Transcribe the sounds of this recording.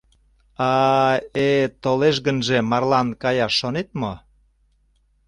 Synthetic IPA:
ɑ | et̪oleʃ̬ɣənʒemɑrlɑnkɑjɑʃːonet̪̚mo

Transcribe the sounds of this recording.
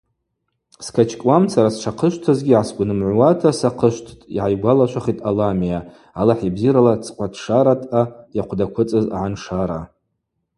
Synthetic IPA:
skʰat͡ʃʰkʼwamt͡sʰaɾasʈ͡ʂʰaqʰəʃʷtʰazɡʲiʕasɡʷnɨmʕʷwatʰasaqʰəʃʷtʰtʼḭʕajɡʷalat͡ʃʷʰaχitʼalamijaː | laħibziɾalat͡sʰʼqʷʼatʰʂaɾatʼajaqʷʰdakʷʰʊt͡sʼɨza̰ʕanʂaɾa

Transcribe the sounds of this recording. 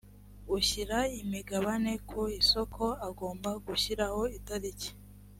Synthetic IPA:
uçiɾaimiɡaβane̞kʰuiso̞kʰo̞aɡoːmbaɡuçiɾaho̞itaɾice̥

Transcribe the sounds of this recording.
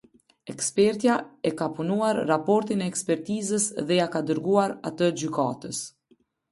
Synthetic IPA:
ɛkspɛɾt̪jaɛkapunuaɾːapɔɾt̪inɛːkspɛɾt̪izəsðɛjakad̪əɾɡuaɾat̪əd͡ʑyka̰t̪əs

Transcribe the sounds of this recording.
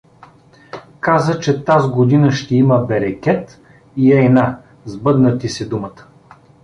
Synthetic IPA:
kazət͡ʃɛt̪azɡod̪inəʃt̪ɛiməbɛɾɛkʲɛt̪ | iɛna | zbɤd̪nət̪isɛd̪umət̪ə̥

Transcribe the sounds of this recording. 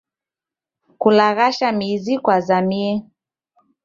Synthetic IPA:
kulaɣaʃamizikwazamiɛ

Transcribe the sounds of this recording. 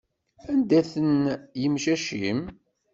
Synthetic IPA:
ænd̪æθənjəmʃæʃim

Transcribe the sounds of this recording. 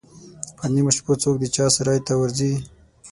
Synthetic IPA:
panimʊʃpot͡sok̚d̪ət͡ʃɑsaɾɑjt̪awaɾzi

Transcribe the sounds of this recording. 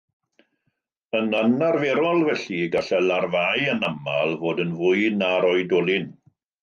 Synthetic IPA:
ənanarvɛɾɔlˠvɛɬiɡaɬɛlarvajənamalˠvoːdənvʊɨnaɾɔɨdɔlˠɪn

